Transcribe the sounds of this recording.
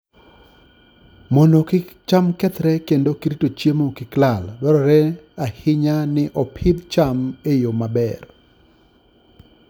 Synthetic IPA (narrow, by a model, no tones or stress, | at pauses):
mɔnokɪt͡ʃamkɛt̪ɾɛkendokɪɾitot͡ʃjemokɪklalbɛɾɔɾɛahɪɲanɪʔɔpʰɪd̪t͡ʃamejomabɛr